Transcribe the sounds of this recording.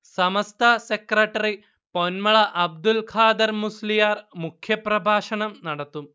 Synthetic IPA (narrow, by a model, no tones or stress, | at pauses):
sɐmɐst̪ʰɐsekɾɐʈɐɾi | ponmɐɭɐʔɐb̚d̪ulkʰaːd̪ɐɾmuslijaːɾmukʰjɐpɾɐbʱaːʂɐɳɐmnɐɽɐt̪ːum